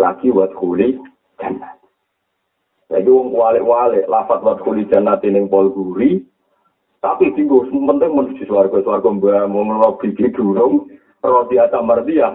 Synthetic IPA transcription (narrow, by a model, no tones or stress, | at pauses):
la̰kiwat̪̚kuli̥ | d͡ʒ̥a̤nat̪̚ | sa̰kiwɔŋkwalɪ̰ʔwalɪʔlafat̪̚wat̪̚kulid̥ʒ̥a̤nat̪inɪŋpɔlɡuɾi | t̪apid̪iŋɡosəmpənt̪ɪŋmənu̥d̪̥i̤swarɡ̥ɔsəwarɡ̥ɔmbamoŋənwab̥i̤ɡid̪̥ṳɾʊŋ | rɔsiasamərt̪ija